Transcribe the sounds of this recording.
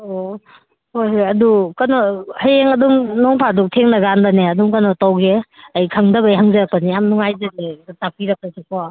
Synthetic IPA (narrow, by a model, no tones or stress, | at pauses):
o | hojɦojɐdukɐnɔhajeŋɐdumnɔŋpʰaduk̚tʰeŋnaɡandaneɐdumkɐnɔtawɡeɐjkʰaŋdɐbajɦaŋzɐɾɐk̚pɐnijamnuŋajzɐɡetak̚piɾɐk̚pɐsekɔ